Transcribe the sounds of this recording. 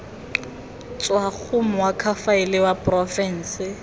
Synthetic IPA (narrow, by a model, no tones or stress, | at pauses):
t͡sʼwak͡xʰʊm̩wakʰafaɪlɪwapʼrɔfɛn̩ːsɪ